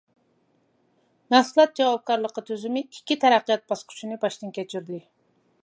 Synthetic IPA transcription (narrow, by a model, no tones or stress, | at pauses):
nɑsɨlˠɑt̪̚d͡ʒɑwɑb̚kɑɾlˠəqət̪ʰøzɪmɪikʲːit̪ʰæɾæqːijɑt̪̚bɑsqʰʊ̥ʃinɨbɑʃt̪ɨnkʲɛt͡ʃʰyɾlɪ